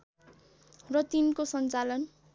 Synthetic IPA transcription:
rʌt̪inkosʌnt͡salʌn

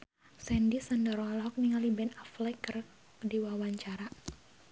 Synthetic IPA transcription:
sɛndisandəɾɔalɦɔk̚niŋalibɛnaflɛkər | diwawaɲt͡ʃaɾa

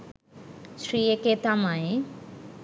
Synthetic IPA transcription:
sɾieket̪amae

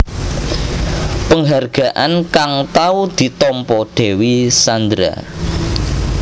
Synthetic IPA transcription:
pəŋɦarɡ̥a̤ʔankaŋt̪aud̪̥i̤t̪ɔmpɔɖ̥e̤wisand̪ɾa̰

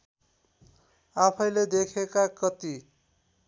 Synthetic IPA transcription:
apʰʌj̃led̪ekʰekakʌt̪i

